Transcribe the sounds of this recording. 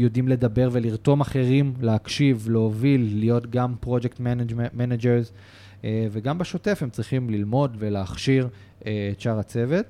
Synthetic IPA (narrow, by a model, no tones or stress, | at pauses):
jodimle̞dabe̞ʁve̞liʁto̞maχe̞ʁimleakʃivleovilːijo̞tɡampʁo̞d͡ʒektmenmened͡ʒeʁz | veɡambeʃo̞te̞fhemt͡sʁiχimlilmo̞dve̞leaχʃiʁ | et͡ʃaʁat͡se̞ve̞t